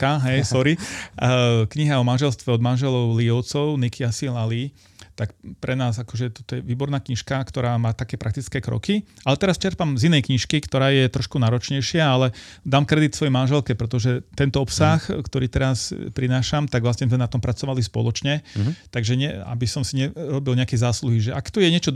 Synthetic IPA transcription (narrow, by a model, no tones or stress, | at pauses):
kaɦɛjsɔɾi | kɲiɦɛɔmanʒɛlst̪ʋɛɔd̪manʒɛlɔʊliɔʊt͡sɔʊnikiasilali | t̪akpɾɛnaːzakɔʒɛt̪ɔ̥t̪ɔjɛʋiːbɔɾnaːkɲiʃkakt̪ɔɾaːmaːt̪akɛːpɾak̚t̪it͡skɛːkɾɔ̰kiʔalɛt̪ɛɾast͡ʃɛɾpamzinɛjkɲiʃkikt̪ɔɾaːjɛt̪ɾɔʃkunaːɾɔt͡ʃɲɛjʃɪaalɛd̪aːmkɾɛd̪it̪sʋɔjɛmanʒɛlkɛpɾɛt̪ɔʒɛt̪ɛnt̪ɔɔpsaxkt̪ɔɾiːt̪ɛɾaspɾinaːʃamt̪aɡʋlasɲɛzmɛnat̪ɔmpɾat͡sɔʋalispɔ̰lɔt͡ʃɲɛt̪aɡʒɛɲɛa̰bisɔmsiɲɛɾɔbilɲɛakɛzaːsluɦiʒɛʔakt̪ujɛɲɛt͡ʃɔ